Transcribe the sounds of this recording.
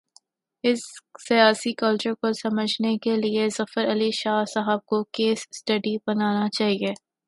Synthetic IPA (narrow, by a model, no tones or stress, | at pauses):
ɪsːijaːsikɐlt͡ʃəɾkosɐməd͡ʒʱnekeliezɐfəɾɐliʃaːsaɦəb̚kokeːsːʈɐɖibɐnaːnat͡ʃaːɦieː